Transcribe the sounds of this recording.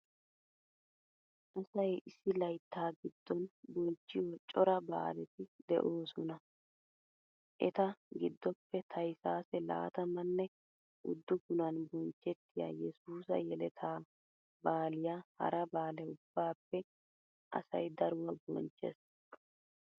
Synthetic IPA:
ʔɐsɐjɪsːɪlɐjt̪ːaːɡɪd̪̥ːɔnbɔnt͡ʃːɪjt͡ʃʼɔɾɐba̰ːlɛt̪ɪd̪ɛ̰ʔo̞ːsɔnɐ | ʔɛt̪ɐɡɪd̪ːɔpːɛt̪ʰɐjsaːsɛla̰ːt̪ɐmɐnːɛ | ʔʊ̰d̪ːʊɡʊnɐnbɔnt͡ʃːɛt̪ːɪja̰jɛsuːsɐ̰jɛlɛt̪ʰaː | baːlɪjahɐ̰ɾɐbaːlɛʊb̥ːaːpːɛ | ʔɐ̰sɐ̰jd̪ɐɾwɐbɔ̰nt͡ʃːɛ̰s

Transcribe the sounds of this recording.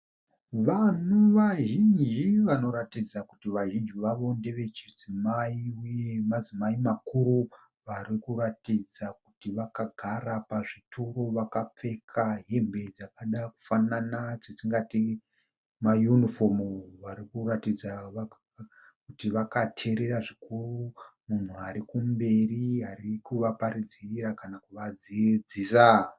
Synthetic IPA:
ʋanuʋaʒind͡ʒiʋano̞ɾatid͡zakutiʋaʒind͡ʒiʋaʋo̞nde̞ʋe̞t͡ʃid͡zimaiujemazimaimakuɾu | ʋaɾikuɾatid͡zak̚utiʋakaɡʱaɾapaʐitʰuro̞ʋakap͡fe̞kʰaɦembe̞d͡zakaɗaku̥fananat͡ʃet͡ʃiŋɡati | majunifomʋaɾikuratid͡za | kutiʋakatʰe̞ɾe̞ɾaʐikurumun̤uaɾikumbe̞riɦarikuʋapaɾid͡ziɾakanakuʋad͡zid͡zisa

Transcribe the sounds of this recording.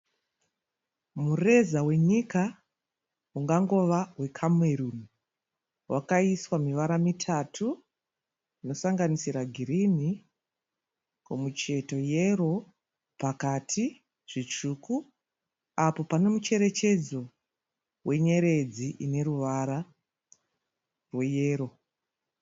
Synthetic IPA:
mure̞zawe̞ɲika | uŋɡaŋɡo̞ʋawe̞kʰamwe̞ɾun | wʔakaiswamiʋaɾamitʰatʰu | ino̞saŋɡanisiɾaɡʱirini | komut͡ʃe̞to̞je̞ro̞ | pakatʰi | ʐ̥it͡ʂuːku | apo̞pane̞mut͡ʃe̞ɾe̞t͡ʃe̞d͡zo̞ | wʔe̞ɲe̞ɾe̞d͡ziʔine̞ɾuʋaɾa | rwe̞jeːɾo̞

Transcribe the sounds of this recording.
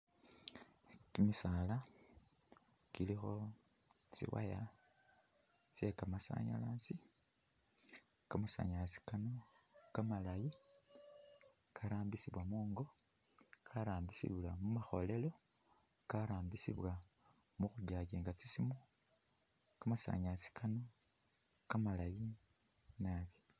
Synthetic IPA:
timisala | kilixo̞ | t͡sḭwa̰ja | t͡se̞kamasa̰ɲa̰lasi | kamusa̰ɲasi̥kanokamalaji | kʰaɾaːmbisiβwamoːŋɡo̞ | kʰaɾaːmbisḭβlamumaxo̞̰le̞lo̞ | kaɾaːmbisḭβwa | muxuɟaːɟiːŋɡat͡sisimo | kamasa̰ɲat͡si̥kʰano̞ | kamalaji | naβi

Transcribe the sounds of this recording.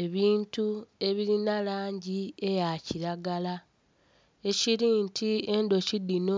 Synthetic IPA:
eβiːntue̞βiɾinalaːɲɟie̞jaciɾaɡala | eciɾiːntʰie̞ndo̞cidino

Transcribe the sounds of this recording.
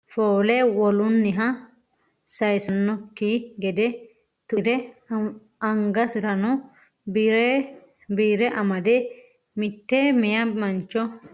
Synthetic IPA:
foːlɛwɔlʊnːɪɦɐ | sɐjsɐnːɔkːiɡɛd̪ɛ | t̪ʊɾɛ | ɐŋɡɐsɪɾɐnɔ | bɾ | biːɾɛʔɐmɐd̪ɛ | mɪt̪ːemɛjɐmɐnt͡ʃːɔ

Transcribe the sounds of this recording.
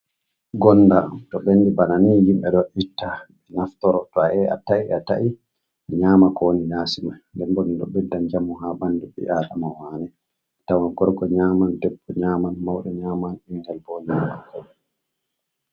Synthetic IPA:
ɡɔnːdamtɔɓenːdibananihimɓɛɗɔʔitːaɓɛnaftɔɾɔtɔaɛʔa̰taʔiata̰ʔi | ɲaːmakɔwonijaːsimandɛmbɔmiɗɔ̰ɓɛdːand͡ʒamuɦabanduɓḭʔaːɗamawaːnɛ | tawanɡɔɾɡɔɲaːmandɛbːɔɲaːmanmawɗɛɲaːmaniŋɡɛlbɔɲaːma̰kʰɔɛ

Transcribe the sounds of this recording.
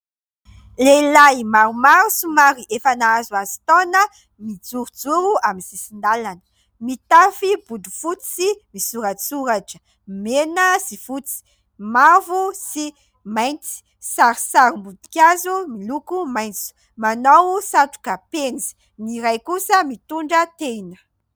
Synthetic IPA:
lelajmaɾumaɾusumaɾiʔefanaazuazi̥t̪ɔnə | mid͡zuɾud͡zuɾuaminsisind̪alanə̥ | mit̪afibud̪ufut͡simisuɾat͡suɾaʈ͡ʂə̥ | menəzifut͡si̥ | mavusi | majnt͡si̥ | saɾisaɾumbud̪u̥kʲazumilukumajnt͡su̥ | manowsaʈ͡ʂu̥kapenzi̥ | niɾajkusəmit̪uɳɖ͡ʐət̪enə̥

